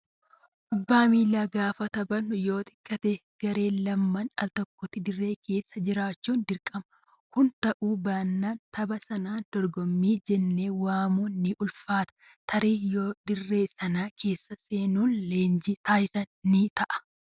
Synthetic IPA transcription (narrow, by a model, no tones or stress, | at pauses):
ʔʊbːaːmiːlaːɡaːfɐt̪ɐbɐnːʊjo̞ːt̪ɪ̥kʼːɐt̪eɡ̥ɐɾe̞ːlɐmːɐnɐlt̪ɔkːɔt̪ɪd̪ɪrːe̞ːke̞ːsːɐd͡ʒɪɾaːt͡ʃːuːnd̪ɪɾkʼɐmɐ | kʊnt̪ɐʔuːbaːnːaːnt̪ʰɐbɐsɐnaːnd̪̥ɔɾɡɔmːiːd͡ʒɛnːeːwaːmunːɪʔʊlfaːt̪ɐ̥ | t̪ʰɐɾiːjoːd̪ɪrːe̞ːsɐnaːkʰe̞ːsːɐseːnuːnleːnd͡ʒit̪aːjɪsɐnːit̪ɐʔɐ̥